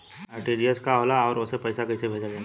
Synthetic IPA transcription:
aʈiːɖiəskaɦoːlaɔːɾʊsepɐɪsakɐɪsebʱeːd͡ʒad͡ʒaː

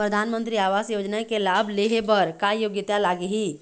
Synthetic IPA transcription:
pɾəd̪ʱaːnmə̃nt̪ɾiaːʋaːsjoːd͡ʒnakelaːbleɦebəɾkajoɡjɪt̪jalaːɡeɦiː

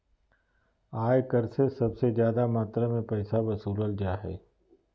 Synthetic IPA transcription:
aːjkɐɾsesɐbsezjaːd̪amaːt̪ɾamẽpɛːsabɐsuːləld͡ʒaːɦɛ̰ː

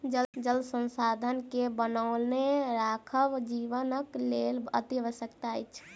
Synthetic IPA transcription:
d͡ʒəd͡ʒəlsə̃nsad̪ʱənkebənəʊlneɾakʰəwd͡ʒiʋənəklelə̰t̪iʋəsjəkt̪ajt͡ʃʰ

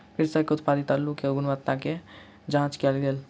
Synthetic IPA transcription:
kɪɾsakeʊt̪paːɾit̪aːlːukeɡʊnʋaːt̪nake | d͡ʒãːt͡ʃkelɡeːl

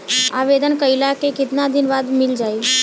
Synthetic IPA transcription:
aːʋed̪ənkəɪlakekɪt̪nad̪ʱɪnʋaːd̪mɪld͡ʒaːi

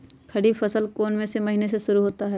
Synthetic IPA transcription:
kʰɐɽiːbfɐsəlkoːnmẽsemɐɦineseʃʊɾuɦoːt̪aɦɛː

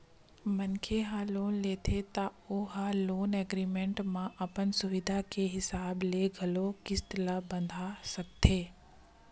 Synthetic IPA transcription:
mɐnkʰeɦaloːnleːt̪ʰet̪aoːɦaloːneːɡɾiːmẽːɳʈmãʔɐpənsʊʋɪd̪ʱakeɦɪsaːbleɡʱɐlokɪst̪labɐ̃nd̪ʱasɐk̚t̪ʰeː

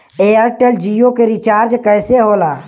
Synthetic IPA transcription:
eːəɾʈeld͡ʒijokeɾit͡ʃaːɾd͡ʒkɛːseɦoːlaː

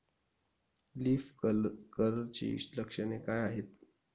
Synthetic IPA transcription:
liːfkəɾəɾt͡ɕḭləkʂənekajaɦet̪̚

